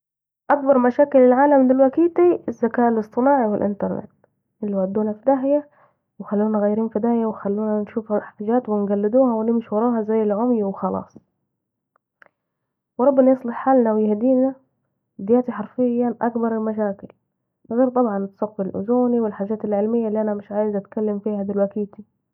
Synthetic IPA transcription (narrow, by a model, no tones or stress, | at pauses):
ʔak̚bɑɾˤmaʃaːkɪlːɪlʕaːlamd̪ɪlwakiːt̪iʔɪzːakaːʔɪlɨsˤt̪ˤɨnɑːʕiwɪlʔɪ̰nt̪ɑɾˤnɪ̰t̪ | ʔɪlːiwaʕd̪ːuːnafid̪aɦja | wɪxalːuːnaɣajːɾiːnfɪd̪aːjawɪxalːuːnanʃuːfhaħt̪aʒaːt̪wɪnɡalːɪd̪uːhawɪlɪmɪʃwɑɾˤɑːɦazajːɪlʕʊmjwɪxɑlɑ̰ːsˤ | wɾˤɑbːɪnajɨsˤlɪħħaːlnawɪjɪhd̪iːna | d̪ɪjaːt̪iħɑɾˤfɪjːaʔakbɑɾˤɪlmaʃ̬aːkɪl | ɣeːɾt̪ˤɑbʕɑnɪt̪sɑqflʔʊ̰zuːniwɪlħaːʒːaːt̪ɪlʕɪlmɪjːalːiʔanamɪʃʕaːjɪzʔat̪kalːamfiːhad̪ɪlwakiːt̪i